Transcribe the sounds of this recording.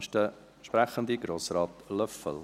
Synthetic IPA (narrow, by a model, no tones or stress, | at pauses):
ʃtə | ʃpɾæχənd̪iɡɾoːsrɑːt̪lœfə̰l